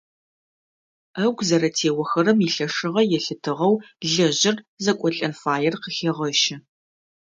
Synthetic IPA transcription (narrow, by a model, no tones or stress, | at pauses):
ɐɡʷzɐɾɐtʰeːwɐxɐɾɐmiɬɐʂɨʁɐjɛɬɨtʰɨʁɐwɮɐʑɪr | zɐkʷʼɔɬʼɐrfaːjɛrqəxeːʁɐʃɪ